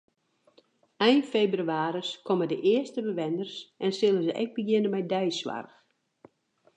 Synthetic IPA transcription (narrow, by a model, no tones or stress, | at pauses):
ɛjnfebryaːɾəskʰomədəʔɪəstəbəʋɛndərsʔɛnsɪlˠəzəʔɛ̰ɡ̚bəɡjɪnəmɛjdɛjswa̰rx